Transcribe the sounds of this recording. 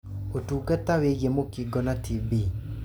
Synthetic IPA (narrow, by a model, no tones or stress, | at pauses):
otukat̪awejemokiɡɔnatʰibe